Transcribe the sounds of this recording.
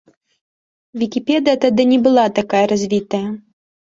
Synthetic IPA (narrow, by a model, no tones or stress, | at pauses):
vʲikʲipʲɛd̪ɨjɐt̪ad̪ɨnʲɛbɨlˠat̪akajɐɾazʲvʲit̪ɐjɐ